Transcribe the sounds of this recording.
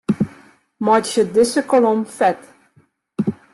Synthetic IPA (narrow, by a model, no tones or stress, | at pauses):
mɑtʃəd̪ɪsəkɔlɔmfɛt